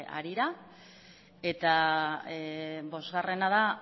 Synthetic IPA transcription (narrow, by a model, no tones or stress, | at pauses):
a̰ɾiɾa | e̞t̪a | bo̞zɣare̞nað̞a